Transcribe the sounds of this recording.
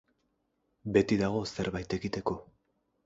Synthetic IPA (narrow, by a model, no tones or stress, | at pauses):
be̞t̪iðaɣ̞o̞se̞ɾβajt̪e̞ɣit̪e̞ko̞